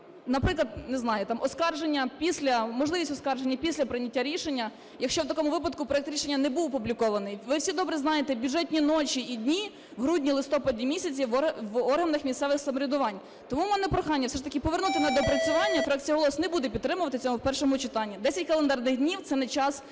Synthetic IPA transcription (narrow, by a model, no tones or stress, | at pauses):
nɐpɾɪklˠɐd̪nɛznɑjʊt̪ɑmʔɔskɑrʒenʲːɐpʲisʲlʲɐmɔʒlˠɪʋʲisʲtʲɔskɑrʒenʲːɐpʲisʲlʲɐpɾɪnʲɐtʲːaɾʲiʃenʲːɐ | jɐkʃt͡ʃɔwt̪ɐkɔmʊʋɪpɐd̪̚kʊpɾɔɛkt̪ɾʲiʃenʲːɐnɛbuwpublʲikɔʋɐnɪjʋɪwsʲid̪ɔbɾɛznɑjet̪ɛbʲʊdʐɛtʲnʲinɔt͡ʃiːdʲnʲi | wɦɾudʲnʲilˠɪst̪ɔpɐdʲimʲisʲɐt͡sʲiʋʋɔrɦɐnɐxmʲist̪ɛʋɪxsɐmɔɾʲɪd̪ʊʋɑnʲ | t̪ɔmumɛnɛpɾɔxɑnʲːɐfsɛʃt̪ɐkɪpɔʋernut̪ɪnɐd̪ɔpɾɐt͡sʲʊʋɑnʲːɐfɾɑk̚t͡sʲijɐɦɔlˠɔsnɛbud̪ɛpʲid̪t̪ːɾɪmʊʋɐt̪ɪt͡sʲɔmʊwpɛrʃɔmʊt͡ʃɪt̪ɑnʲːid̪ɛsʲɐtʲkɐlˠend̪ɑrnɪɣdʲnʲiwt̪sɛnɛt͡ʃɑs